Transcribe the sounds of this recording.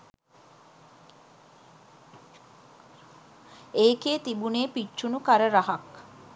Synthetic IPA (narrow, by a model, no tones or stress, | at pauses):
eːkeːt̪ibuneːpiʃunukɐɾəɾɐɦɐk